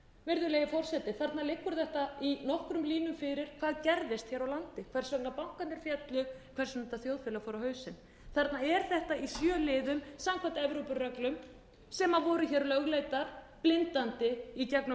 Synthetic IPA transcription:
vɛɾðʏleːjɪfɔr̥sɛt̪ɪθaɾt̪nalɪkːʏɾ̥θɛht̪ainɔhkɾʏmliːnʏmfɪɾɪɾ̥kʰvaːðcɛɾðɪst̪çɛːɾawlant̪ɪkʰvɛɾ̥svœknapawŋ̥kanɪɾfjɛt̪lʏɣkʰvɛɾ̥sʏnɛt̪aθjowðfɪːlafɔːɾahœːɥsɪn | θaɾt̪naɛɾ̥θɛht̪aisjœːlɪːðʏmsamkʰvant̪ɛvɾowpʏrœklʏm | sɛmavɔːɾʏçɛːɾʏlœɣleːjt̪aɾ̥ | plɪnt̪ant̪ɪicaknʏ

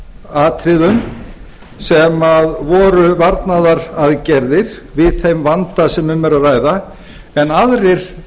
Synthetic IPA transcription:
aːt̪ʰɾɪðʏm | sɛmaðvɔːɾʏvaɾt̪naðaɾaðcɛɾðɪɾ̥ | vɪðθejmvant̪asɛmʏmːɛɾaðraːjða | ɛnaðɾɪɾ̥

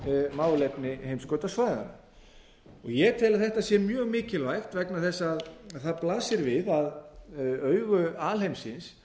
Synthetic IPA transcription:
maːwlɛpnɪhejmskœːt̪asvaːjða̰na̰ | ɔɣjɛt̪ʰɛːlɪθɛht̪aðsjɛmjœːɣmɪːcɪlajxt̪vɛknaθɛsːaaððθaðplaːsɪɾvɪðað | œːɥɣʏaːlhejmsɪns

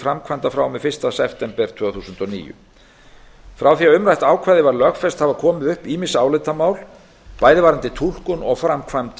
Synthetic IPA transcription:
fɾamkʰvant̪afɾaːwmɛðfɪr̥st̪asɛft̪ɛmpɛɾ̥t̪ʰvœːθuːsʏnt̪ɔnḭːjʏ̰ | fɾawθiaʏmɾajht̪aːwkʰvaːjðɪvaɾlœxfɛst̪havakʰɔːmɪðʏhpiːmɪsaːwlɪt̪amaːwl | paːjðɪvaːɾant̪ɪt̪ʰul̥kʏnɔɣfɾamkʰvant̪

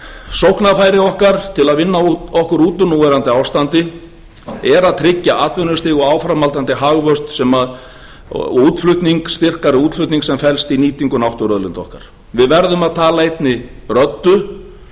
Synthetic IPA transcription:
sowhknafaːjɾɪɔhkaɾ̥t̪ʰɪlaðvɪnːaɔhkʏɾuːt̪ʏnuːvɛɾant̪ɪawst̪ant̪ɪ | ɛɾaðt̪ʰɾɪcːaʔaːt̪vɛnʏst̪ɪːɣɔaːwfɾamalt̪ant̪ɪɦaɣvœst̪sɛmað̰ | uːt̪flʏht̪niŋkst̪ɪr̥kaɾɪuːt̪flʏht̪niŋksɛmfɛlst̪iniːt̪iŋkʏnawht̪ʏɾœðlɪnt̪ɔ̰hka̰ɾ̥ | vɪðvɛɾðʏmaðt̪ʰaːlaejt̪nɪrœt̪ːʏ

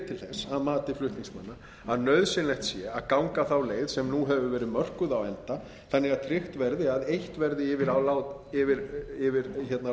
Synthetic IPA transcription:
t̪ʰɪlθɛsaðmaːt̪ɪflʏht̪niŋsmanːa | aðnœɥðsɪnlɛht̪sjɛaðkawŋkaθawleːjðsɛmnuɦɛvʏvɛːɾɪðmœr̥kʏðawɛnt̪a | θanːɪɣaðt̪ʰɾɪxt̪vɛɾðɪaðejht̪vɛɾðɪɪvɪɾawlaːwt̪ɪvɪɾɪvɪɾçɛt̪na

